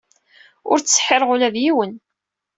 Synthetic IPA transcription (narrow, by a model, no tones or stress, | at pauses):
ʊ̰ɾt͡sːsħeɾˤʁʊlæðjiwən